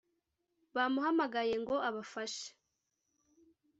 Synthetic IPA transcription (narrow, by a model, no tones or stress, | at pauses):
βaːmuɦamaɡaje̞ŋɡo̞aβafaʃe̥